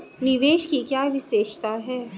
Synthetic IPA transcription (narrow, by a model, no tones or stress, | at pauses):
nɪʋeːʃkikjaːʋʱɪʃeːʃt̪aɦɛː